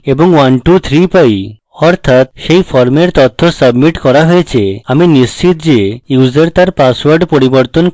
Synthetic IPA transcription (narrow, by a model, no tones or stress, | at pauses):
ebɔŋwanʈut̪ʰɾipaj | ɔɾt̪ʰat̪ʃejpʰɔɾmeɾt̪ɔt̪ʰːosəbmiʈkɔɾaɦojet͡ʃʰeaminist͡ɕit̪d͡ʒejuzeɾt̪aɾpaswəɾɖpoɾibɔɾt̪ɔn